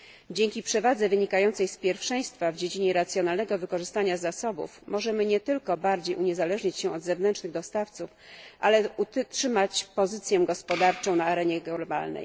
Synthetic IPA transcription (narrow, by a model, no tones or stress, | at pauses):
d͡ʑeŋʲkʲipʂɛvad̪zɛvɘɲikajɔnt̪sɛjspʲjɛɾfʂɛj̃st̪favd͡ʑed͡ʑiɲɛɾat̪sʲjɔnalnɛɡɔvɘkɔʐɘst̪aɲazːasɔbṵfmɔʐɛmɘɲɛt̪ɘlkɔbaɾd͡ʑejuɲɛzalɛʐɲat͡ɕɕɛ̃ɔd̪zɛvnɛnt͡ʂnɘɣd̪ɔst̪aft̪sufʔa̰lɛut̪tʂɘmat͡ɕpɔzɘt̪sʲjɛɡɔspɔd̪aɾt͡ʂɔ̃w̃naːɾɛɲɛɡba̰lnɛ̰j